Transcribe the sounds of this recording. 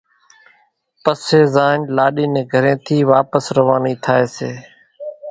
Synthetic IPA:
pəseːzaːnlaːɗiːnẽːɡʱəɾẽːt̪ʰiːʋaːpəsɾəʋaːniːt̪ʰaːeːseː

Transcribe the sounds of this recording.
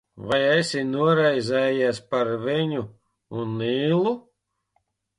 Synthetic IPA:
vajɛjsinuɔɾɛjzʲɛːjiɛspaɾviɲu | unːiːlˠu

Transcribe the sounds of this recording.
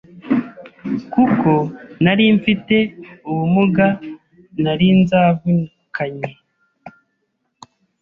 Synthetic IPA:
kuko̞naɾiɱfite̞uwumuɡa | naɾinzavu | kʰaɲe

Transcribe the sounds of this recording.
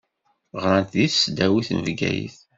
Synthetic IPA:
ʁɾɑnt̪ðiθsd̪æwiθnəvɡæ̰jḭθ

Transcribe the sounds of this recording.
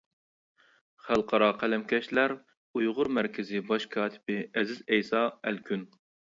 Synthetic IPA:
χælˠqʰɑɾɑqʰælɛmkʲʰɛʃlæɾ | ujʁʊɾmæɾkʲʰɪzɪbɑʃkʰɑːt̪ʰɪ̥bɪɛzɪzɛjsɑælkʲʰyn

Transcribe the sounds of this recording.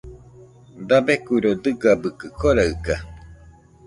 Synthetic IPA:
d̪abekuiɾod̪ɨɡabɯkɨkʰoɾaɯka

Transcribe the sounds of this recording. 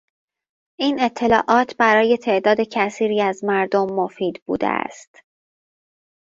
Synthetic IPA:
ʔiːne̞t̪ʰːe̞lɒːʔɒːt̪ʰbæɾɒːje̞t̪ʰe̞ʔd̪ɒːd̪e̞cʰæsiːɾiːæzmæɾd̪omːofiːd̪bṵːd̪ḛʔæ̰st̪

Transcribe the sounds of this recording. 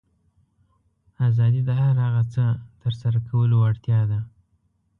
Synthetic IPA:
azɑd̪id̪əɦaɾaɣat͡sət̪əɾsaɾakʰawəloaɽt̪jɑd̪a

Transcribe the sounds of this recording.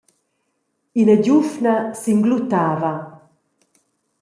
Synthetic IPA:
inəɟufnasiŋɡlut̪aːva

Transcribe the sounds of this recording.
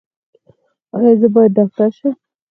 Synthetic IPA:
ɑjɑzəbɑjad̪̚d̪ːɑxt̪aɾʃə

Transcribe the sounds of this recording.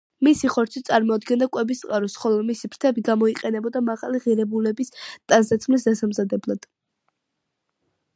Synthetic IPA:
misiχɔɾt̪sʰit̪sʼaɾmɔad̪ɡɛnd̪akʼwɛbist̪sʼaɾɔsχɔlˠɔmisipʰɾt̪ʰɛbiɡamɔiqʼɛnɛbɔd̪amaʁaliʁiɾɛbulɛbist̪ʼansd̪at̪sʰχmlisd̪asamzad̪ɛblˠad̪̥

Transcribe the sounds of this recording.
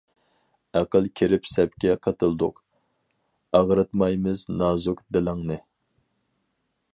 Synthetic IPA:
æqəlˠkʲʰiɾɪpsɛp̚kʲɛqʰɑt̪ɨlˠd̪ʊ̰q | ɑʁɾɨt̪mɑjmɨznɑːzukd̪ɪlæŋnɨ

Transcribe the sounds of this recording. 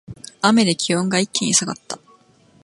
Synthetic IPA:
ame̞d̪e̞kʲiõŋɡaikːẽɲ̟isaɡat̪ːa

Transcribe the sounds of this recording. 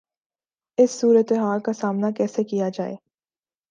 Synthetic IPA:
ɪsːuːɾət̪eɦaːlkasaːmnakɛːsekijad͡ʒa̰ːḛː

